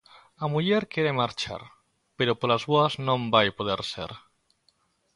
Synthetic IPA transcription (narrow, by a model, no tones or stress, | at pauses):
amuʎeɾkeɾemaɾt͡ʃa̰ɾ | peɾopolazβoaznõmbajpoð̞eɾsḛɾ